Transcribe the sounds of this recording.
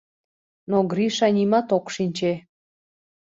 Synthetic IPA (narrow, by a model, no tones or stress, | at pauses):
noɡɾiʃɑnʲimɑt̪okʃinʲt͡ɕe